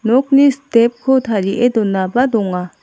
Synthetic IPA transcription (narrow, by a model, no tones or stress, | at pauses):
nɔk̚nistep̚kʰot̪ʰaɾiʔed̪ɔnːabad̪ɔŋa